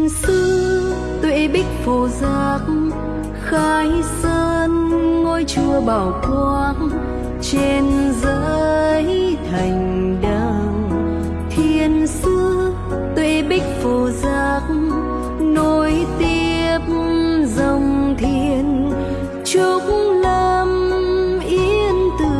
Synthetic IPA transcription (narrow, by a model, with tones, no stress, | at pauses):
sɨ˧˦ | t̪wḛ˧˨ɓi˦˥k̟̚fo˨˩zaː˧˩k̚ | xaː˧jsəː˧nŋo˧jt͡ɕɨ˧əɓaː˨˩wkwaː˧n | t͡ɕe˧nzəː˧jt̪ʰa˨˩jŋ̟ɗə˧ | t̪ʰi˧˩ənsɨ˧ə | t̪wḛ˧˨ɓi˦˥k̟̚fo˨˩zaː˧˩k̚ | no˧jt̪i˧əp̚zə˧˩wŋ͡mt̪ʰi˧ən | t͡ɕu˧˦k̚ŋlə˧mʔi˧ənt̪ɨ˧˨˩